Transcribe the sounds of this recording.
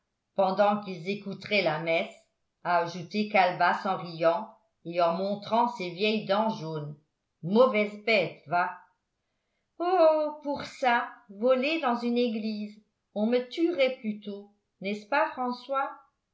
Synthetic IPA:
pɑ̃d̪ɑ̃kilzekut̪χɛlamɛs | aːʒut̪ekalbasɑ̃ʁijɑ̃ | eɑ̃mɔ̃t̪χɑ̃sevjɛjd̪ɑ̃ʒon | mɔvɛzbɛt̪va | opuʁsavɔled̪ɑ̃zyneɡliːz | ɔ̃mət̪yʁɛplyt̪o | nɛspafχɑ̃swa

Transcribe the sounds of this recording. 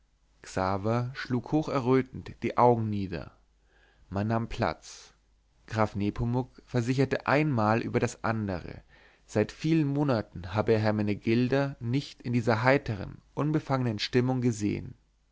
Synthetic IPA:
ksaːvɐʃluːkhoːxɛɐʁøːtn̩td̥iːʔaʊɡŋ̩niːdɐ̰ | manːaːmpʰl̥a̰t͡s | ɡ̥ʁaːfneːpʰomʊkfɛɐzɪç̬ɐtəʔa̰ɪnmaːlʔy̰ːbɐɾasʔa̰ndəʁə̰ | z̥aɪtfiːlənmoːnatn̩ɦaːbəɦɛɐmɛnəɡɪldɐnɪçtɪndiːzɐɦaɪtəʁə̰nʔʊnbəfaŋənənʃtɪmʊŋɡəzḛːə̰n

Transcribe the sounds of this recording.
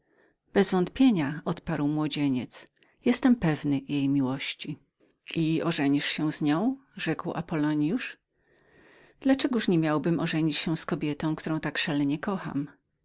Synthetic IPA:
b̥ɛzvɔ̃nt̪pʲjeɲaɔt̪paɾwmwɔd͡ʑeɲɛt̪s | jɛst̪ɛmpɛvnɘjejmʲiwɔɕt͡ɕi | ʔiɔʐɛɲiʂɕɛ̃zɲɔ̃w̃ʐɛkwa̰pɔlɔɲjuʂ | d̪̥lat͡ʂɛɡuʂɲɛmʲjawbɘmʔɔʐɛɲit͡ɕɕɛskɔbʲjɛt̪ɔ̃w̃kt̪uɾɔ̃w̃t̪akʂalɛɲɛkɔxa̰m

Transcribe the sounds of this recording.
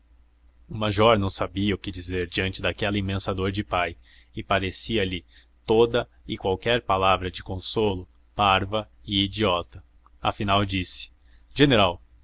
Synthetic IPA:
ʊmaʒɔɾnɐ̃w̃sabiɐʊkɪd͡ʒizeɾd͡ʒiɐ̃nt͡ʃɪd̪akɛlɐĩmẽsɐd̪oɾd͡ʒɪpaj | ɪpaɾesiɐli | t̪od̪ɐɪkwawkɛɾpalavɾɐd͡ʒɪkõsolʊ | paɾvɐ | ɪid͡ʒiɔt̪ɐ | ɐ̰finawd͡ʒisɪ̥ | ʒ̥eneɾaw

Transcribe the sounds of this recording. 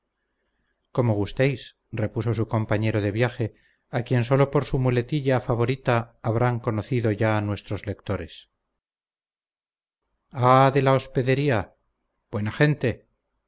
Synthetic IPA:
ko̞mo̞ɣ̞ust̪ejs | re̞puso̞suko̞mpaɲe̞ɾo̞ðe̞βjaxe̞ | akje̞ns̬o̞lo̞po̞ɾsumule̞t̪iʎafaβo̞ɾit̪aːβɾaŋko̞no̞θiðoʝaːnwe̞st̪ɾo̞zle̞kt̪o̞ɾe̞s | aðe̞laospe̞ðe̞ɾia | b̥we̞naxe̞nt̪e̞

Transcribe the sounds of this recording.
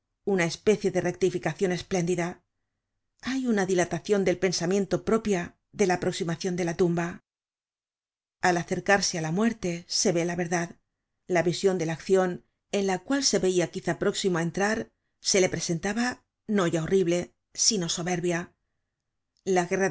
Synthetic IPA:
unae̞spe̞θje̞ðe̞re̞k̚t̪ifikaθjo̞ne̞sple̞nd̪iða | ajunaðilat̪aθjo̞nd̪e̞lpe̞nsamjẽ̞nt̪o̞pɾo̞pja | ðe̞laːpɾo̞ksimaθjo̞nd̪e̞lat̪umba | alaθe̞ɾkaɾse̞alamwe̞ɾt̪e̞se̞βe̞laβe̞ɾðað | laβisjo̞nd̪e̞lakθjo̞n | e̞nlakwalse̞βe̞iakiθapɾo̞ksimoaent̪ɾaɾ | se̞le̞pɾe̞se̞nt̪aβa | no̞ʝao̞riβle̞ | sino̞so̞βe̞ɾβja | laɣera

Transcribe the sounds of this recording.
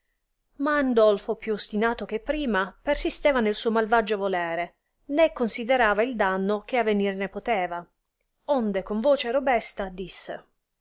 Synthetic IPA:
maːnd̪ɔlfopjuost̪inaːt̪ok̟epːɾiːmapersist̪ɛːvanelsuːomalvad͡ʒovolɛːɾe | nekːonsid̪eɾaːvaild̪anːok̟eavːenirnepot̪ɛːva | ond̪ekoɱvoːt͡ʃeɾobɛst̪ad̪isːḛ

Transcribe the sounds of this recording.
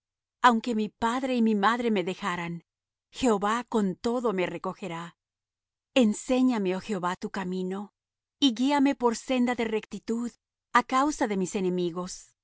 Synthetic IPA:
awŋke̞mipaðɾe̞imimaðɾe̞me̞ðe̞xaɾan | xe̞oβako̞nt̪o̞ðo̞me̞re̞ko̞xe̞ɾa | e̞nse̞ɲameoxeoβat̪ukamĩno̞ | iɣiame̞po̞ɾse̞nd̪aðe̞re̞kt̪it̪uð | akawsaðe̞mise̞ne̞miɣo̞s

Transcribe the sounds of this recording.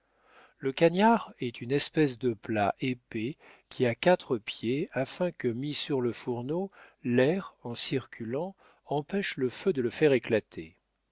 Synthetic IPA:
ləkanjaʁɛt̪ʰynɛspɛs̬d̪əpla̰ʔepekʲʰiakʲat̪χəpjeafɛ̃kəmisyʁləfuʁnolɛʁɑ̃siʁkʲylɑ̃ | ɑ̃pɛʃləfød̪ələfɛʁeklat̪ʰe

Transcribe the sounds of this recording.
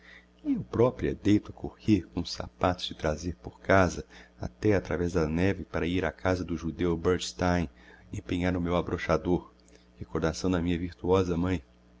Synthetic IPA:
ewpɾɔpɾuɛ̰d̪ejt̪ʊɐkʰoheɾkõʊsa̰pat̪ʊ̥z̥d͡ʒɪt̪ɾazeɾpoɾkazɐa̰t̪ɛat̪ɾa̰vɛzd̪ɐnɛvɪpaɾɐiɾakʰazɐd̪ʊʒud̪ewbeɾd͡ʒst̪ãj̃ẽpẽɲaɾʊmewabɾoʃad̪oɾ | hekoɾd̪asɐ̃w̃d̪ɐmĩɲɐviɾt̪uɔzɐmɐ̃j̃

